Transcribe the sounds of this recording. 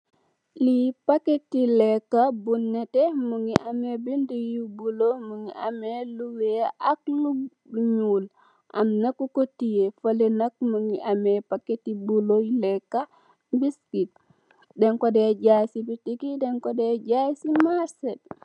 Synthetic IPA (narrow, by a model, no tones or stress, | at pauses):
lipaketːilɛkːabunːetemuŋiʔamebindijubulomuŋiʔameluweʔaklu | ɲul | ʔa̰mnakukotijefalenak̚muŋiʔamepaketibulojlɛkːa | biskit̚ | dɛŋkɔdɛaɟasibitikidɛŋkodɛɟasimaɾsed̚